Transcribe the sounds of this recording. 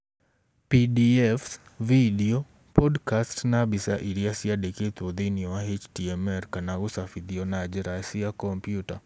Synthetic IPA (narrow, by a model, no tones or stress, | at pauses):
pidiɛfsvidio | pɔdkastnabisaʔiɾiasiadeket̪od̪iniɔwaɦet͡ʃtiɛmɛɾkanaɣusafid̪iɔnad͡ʒɛɾasiakɔmpjuta